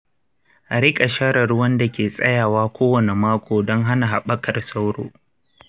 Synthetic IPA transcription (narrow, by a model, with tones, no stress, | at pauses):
ʔa˨ɾɪ˦kʼa˨ʃa˦ɾɐ˨ɾʊ˦wɐ˦nda˨kʲeː˨sʼɐ̰˦jaː˨waː˦kʷoː˦wɐ˨ne˨maː˦kʷʰoː˨dɔ˦ŋɦa˦na˨ɦa˨ɓɐ˦kɐ˨rsa˦wɽo̰ː˨